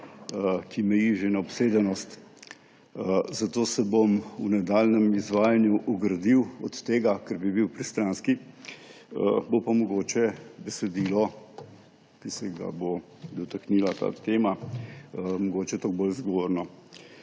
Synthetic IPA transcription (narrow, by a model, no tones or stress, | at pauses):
kʰimɛjiʒenaɔpseːd̪ɛnɔst̪ | zat̪oːsɛbomunad̪aːlnɛmizʋaːjanjuʔɔɡɾɐd̪iwɔt̪ːeːɡakɛɾbibiwpɾist̪ɾanski | əbopamɔɡoːt͡ʃɛbɛsɛd̪iːlɔ | kisɛɡa̰bo | d̪ɔt̪akniːlat̪a̰ːt̪eːma | mɔɡoːt͡ʃɛt̪oɡ̚bolzɡɔʋoːɾnɔ